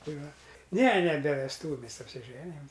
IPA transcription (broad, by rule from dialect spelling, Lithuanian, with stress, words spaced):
ˈtɐɪ ˈʋɐ nʲɛ nʲɛ bʲɛ ʋʲɛsˈtuːʋʲʊ ɐpʲsʲɪˈʒʲæːnʲɪjɛm